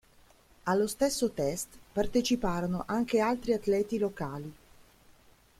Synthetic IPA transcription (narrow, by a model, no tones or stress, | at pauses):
alːost̪esːot̪ɛst̪part̪et͡ʃipaːɾonoʔaŋkealt̪ɾiat̪lɛːt̪ilokaːli